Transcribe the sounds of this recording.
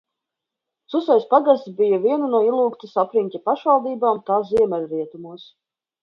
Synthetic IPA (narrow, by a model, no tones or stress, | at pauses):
susajspaɡast̪ʲbijaviɛnunuɔilˠuːkt̪isapɾiŋʲkʲapaʃvalˠd̪iːbaːmt̪aːiɛmʲɛɾɾiɛt̪umuɔs